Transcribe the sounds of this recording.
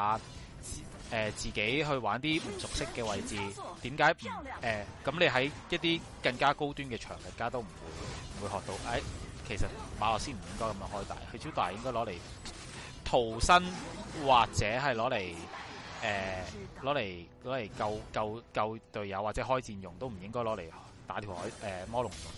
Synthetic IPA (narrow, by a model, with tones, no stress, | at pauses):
a˧˨ | ʔɛː˨t͡siː˨˩ke˨˥jɦɵ˧ɥwaː˨˥nt̪iː˥m̩˨˩sʊ˨k̚sɪ˥kːɛː˧wɐ˧jt͡siː˨˧t̪iː˨˥mkaː˨˥jm̩˨˩ʔɛː˨kɐ˨˥mle˨˧jɦɐ˨˥jjɐ˥t̚t̪iː˥ | kɐ˧ŋkaː˥ko˥wt̪yː˥nkɛː˧t͡ʃʰœ̰ː˨˩ŋjɐ˨t̚kaː˥t̪o˥wm̩˨˩wṵː˨˧jm̩˨˩wuː˨˧jhɔː˨k̚t̪o˧wʔɐ˨˥jkʰe˨˩sɐ˨t̚maː˨˧lɔː˨ksiː˥nm̩˨˩jɪ˥ŋkɔː˥kɐ˨˧mjːŋɦɔː˥jt̪a̰ː˨jhɵ˧t͡sʰiː˥wt̪aː˨˩jɪ˥ŋkɔː˥lɔː˨˥le˨˩j | t̪ʰo˨˩wsɐ˥nwaː˨k̚t͡sɛː˨˥ɦɐ˨jlɔː˨˥le˨˩jʔɛː˨˩lɔː˨˥le˨˩jlɔː˨˥le˨˩jkɐ˧wkɐ˧wkɐ˧wt̪ɵ˧ɥjɐ˨˧wa˨t̚t͡sɛː˨˥ɦɔː˥jt͡siː˧njʊ˨ŋt̪o˥wm̩˨˩jɪ˥ŋkɔː˥jlɔː˨˥le˨˩j | t̪aː˨˥t̪ʰi˨˩whɔː˨˥jʔɛː˨˩mɔː˥lʊ˨˩ŋ˨jʊ˨ŋ